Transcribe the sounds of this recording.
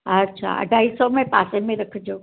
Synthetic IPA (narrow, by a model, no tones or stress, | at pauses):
ətːʃʰa̰ə̰ɖʱaisɔmẽpa̰semẽɾəkʰd͡ʒoː